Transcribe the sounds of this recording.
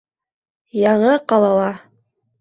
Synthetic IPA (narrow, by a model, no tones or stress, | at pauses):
jɑɴɤqɑlˠɑlˠɑ